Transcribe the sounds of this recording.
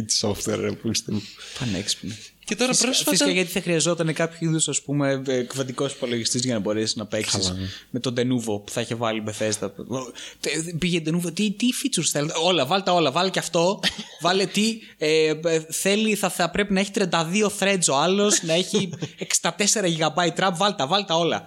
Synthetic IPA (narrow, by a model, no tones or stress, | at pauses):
t̪i̥so̰ft̪wḛɾɐ̰pist̪efɐnḛkspne | cet̪oɾɐɾosfɐisikɐʝɐt̪i̥θɐxɾiɐzo̞t̪ɐnekɐpçoiðusɐspume̞kvɐt̪iko̞si̥po̞loʝist̪izʝɐnɐbo̞ɾesiznɐpeksisme̞t̪o̞nd̪e̞nuvopu̥θɐiçevɐlimeθe̞st̪ɐ | piʝend̪e̞nuvot̪it̪ifit͡suɾsθelet̪o̞lɐvɐlt̪ɐo̞lɐvɐleceɐft̪o̞vɐlet̪i | eθe̞liθɐɐpɾe̞pinɐeçit̪ɾiɐnd̪ɐðio̞θɾe̞t͡soɐlo̞snɐe̞çieksɐ̥t̪ɐt̪e̞se̞ɾɐʝiɣɐbɐit̪ɾɐmbvɐlt̪ɐvɐlt̪ɐo̞lɐ̰